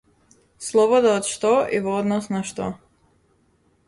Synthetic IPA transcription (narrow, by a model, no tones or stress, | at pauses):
slˠɔβod̪aot̪ʃt̪oʔivood̪nɔsnaʃt̪o̰